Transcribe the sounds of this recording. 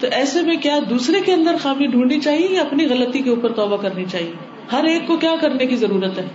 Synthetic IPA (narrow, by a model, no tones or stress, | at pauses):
t̪oʔɛːsemẽkjaːd̪uːsɾekeɐ̃nd̪əɾxaːmĩɖʱũːɳnit͡ʃaːɦiejaɐpniɣɐlət̪ikeuːpəɾt̪ɔːbakɐɾnit͡ʃaːɦieː | hɐɾeːkːokjaːkɐɾnekizɐɾuːɾət̪ɦɛː